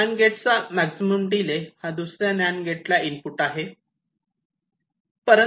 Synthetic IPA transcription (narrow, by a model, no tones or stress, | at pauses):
anɡeʈt͡samæksiməmɖilehad̪usɾjanjanɡeʈlaimpuʈaɦe | pəɾə